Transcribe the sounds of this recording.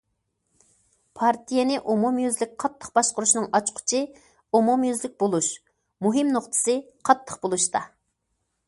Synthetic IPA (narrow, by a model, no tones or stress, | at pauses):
pʰɑɾt̪ʰijɛnɪʔumumjyzlɪk̚ʲqʰɑt̪ːə̥qbɑʃqʊɾuʃnɨŋɑt͡ʃqʰʊ̥t͡ʃʰɨ | umumjyzlɪk̚ʲbolˠuʃ | muɦɨmnoχt̪ʰɨ̥sɨ | qʰɑt̪ːə̥qbolˠuʃt̪ɑ